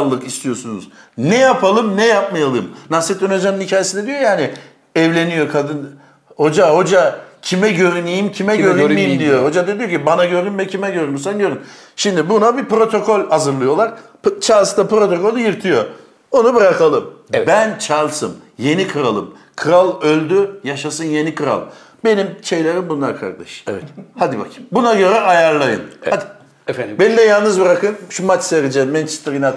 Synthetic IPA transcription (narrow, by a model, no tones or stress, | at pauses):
lˠːɯkist̪ʰijo̞sunṵz̥ | nɛjapʰalˠɯmnɛjap̚majalˠɯmnaset̪ønad͡ʒanɯnhicʰaːjesind̪ed̪ijo̞jaːnɪ | ɛvlʲe̞nijo̞kʰad̪ɯn | ho̞d͡ʒaho̞d͡ʒacʰimɛɟø̞ɾynijimcʰimɛøɾynimd̪ijoho̞d͡ʒad̪e̞d̪ijocʰibanaɟøɾynmɛcʰimɛɟøɾynysænɟøɾynʃimd̪ibunabipɾo̞t̪ʰo̞kʰo̞lʲazɯɾlˠɯjo̞lˠaɾ | t͡ʃʰalˠsd̪apɾo̞t̪ʰo̞ko̞lʲˠjiɾt̪ʰijo̞ | o̞nubɯɾakʰalˠɯmbænt͡ʃʰalˠsɯmje̞nikʰɯɾalˠɯm | kʰɯɾalˠølʲd̪yjaʃasɯnje̞nikʰɯɾa̰lˠ | be̞nimʃe̞jlʲeɾimbunˠaɾkʰa̰ɾkd̪a̰ʃɛvɛhad̪iba̰kbunaɟø̞ɾɛajaɾlˠajɯ̰na | benid̪ɛjalˠnɯzbɯɾakɯnʃumat͡ʃseɾid͡ʒɛmɛnt͡ʃʰe̥st̪ɾina